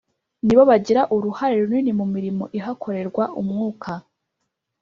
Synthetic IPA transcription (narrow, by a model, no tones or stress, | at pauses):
niβoβaɟiɾaʔuɾuhaɾe̞ɾuninimumiɾimo̞ʔiɦakʰo̞ɾe̞ɾɡwaʔumŋuːkʰa